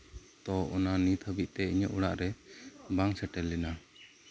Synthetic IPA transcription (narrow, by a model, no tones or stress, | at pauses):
t̪ɔʔɔnanit̪ʰhəbiʔ̚t̪ɛiɲɔʔuɽaʔɾɛbaŋsɛʈɛlːɛna